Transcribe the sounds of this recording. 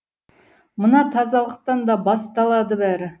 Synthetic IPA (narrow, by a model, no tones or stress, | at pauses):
mənɑt̪ʰɑzɑlˠəq̚t̪ɑnd̪ɑbɑst̪ɑlˠɑd̪əbæɾɪ